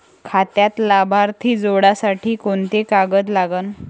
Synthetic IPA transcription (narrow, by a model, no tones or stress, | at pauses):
kʰat̪jat̪labʱaɾt̪ʰiːd͡zoɽasaʈʰiːkoɳt̪ekaɡət̪laɡən